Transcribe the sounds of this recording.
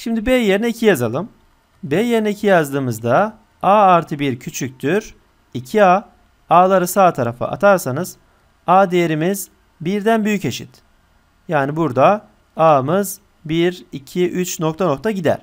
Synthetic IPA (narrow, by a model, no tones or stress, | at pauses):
ʃimd̪ibejeɾinɛicʰijazalˠɯm | bejeɾinɛicʰijazd̪ɯːmɯzd̪a | aːɾt̪ʰɯbiɾcʰyt͡ʃʰyc̚ʲt̪ʰyɾ̥ | icʰia | aːlˠaɾɯsaːt̪ʰaɾafɯ̰ʔa̰t̪ʰaɾsanɯz̥ | aːd̪ejeɾimiz | biɾd̪ænbyjyce̞ʃḭt̪ | jaːnibuɾd̪a | aːmɯz | biɾicʰiʔyt͡ʃno̞k̚t̪ʰano̞k̚t̪ʰaɟid̪æ̰ɾ̥